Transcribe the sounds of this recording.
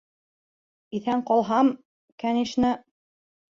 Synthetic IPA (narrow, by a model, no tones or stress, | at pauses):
iθæɴqɑlˠɦɑm | kæniʃnɘ